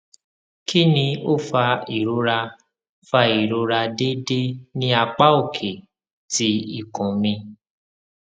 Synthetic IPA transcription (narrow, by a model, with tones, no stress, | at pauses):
kʰi˦nĩ˧o˦fa˧i˨ɾo˧˦ɾa˧ | fa˧i˨ɾo˨˧ɾa˧de˦de˦nĩ˦a˧k͡pa˦o˦˨kʰe˨ | ti˦i˦˨kɔ̃˨mĩ˧